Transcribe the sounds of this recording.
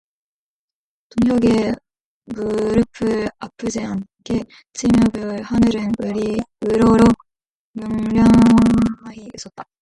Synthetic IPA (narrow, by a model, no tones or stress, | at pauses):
toŋçjʌɡe | muɾɯpʰɯɾapʰɯd͡ʑeɦank͈e | t͡ɕʰimjʌbɯɭhanɯɾɯnɯɾiɯɾoɾo | mjoŋɾjʌŋhaɡiis͈ʌt̚t͈ḁ